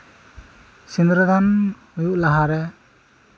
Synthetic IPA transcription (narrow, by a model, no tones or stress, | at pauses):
sindɾad̪anhujuʔlaɦaɾɛ